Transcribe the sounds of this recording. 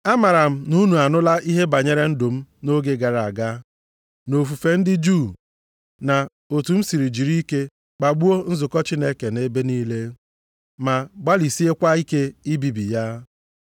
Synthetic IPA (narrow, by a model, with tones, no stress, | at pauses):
a˦ma˨ɾa˨m̩˦nu˦nu˨a˨nʊ˦la˦ʔi˦ɦe˦ba˨ɲe˦ɾe˦n̩˦dʊ˨m̩˦no˦ɡe˦ɡa˨ɾa˨ɡa˦ | no˨fu˨fe˨n̩˦dɪ˦d͡ʒu˦˨ | na˨ | o˨tu˨m̩˦si˨ɾi˨d͡ʒi˨ɾi˦ke˦ | k͡pa˨ɡ͡bu˦o˦n̩˦zʊ˨kɔ˦t͡ʃi˦ne˦ke˨ne˦be˦niː˦le˦ | ma˨ɡ͡ba˦li˨si˦e˦kʷa˦i˦ke˦i˦bi˨bi˨ja˦